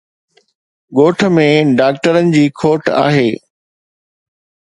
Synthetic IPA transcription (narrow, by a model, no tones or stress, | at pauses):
ɠoːʈʰə̆mẽɖaːk̚ʈəɾənɪ̆d͡ʑiːkʰoːʈʰa̰ːɦeː